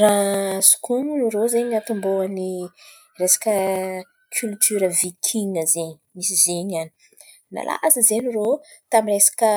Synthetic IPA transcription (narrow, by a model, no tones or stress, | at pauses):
rasu̥kʰumunɾozeɲat̪umboani | resḁkʲə | kʲʰylt̪ʰyɾəvikʰiŋəzeɲi̥misizeɲani̥ | na̰lʔa̰ʔazəzeniro | t̪amiɾesḁkə